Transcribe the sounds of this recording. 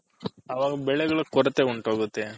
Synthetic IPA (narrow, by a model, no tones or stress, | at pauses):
ɐʋaːɡɐbɛɭɛɡɐɭɐkɔɾɐt̪eːuɳʈoːɡut̪ːe